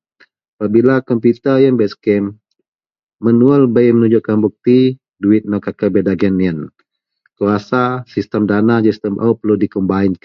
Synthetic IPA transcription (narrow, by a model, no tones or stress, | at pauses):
apabilakɔmpjut̪əjanbɛt̪skɛm | ənualbəjmənuɲd͡ʒuʊʔkanbuk̚t̪i | duɪt̪̚nɔkakəbɛdaɡɛnjən | kuasasist̪əmdanad͡ʒəst̪əmʔəpəludikəmbaɪŋk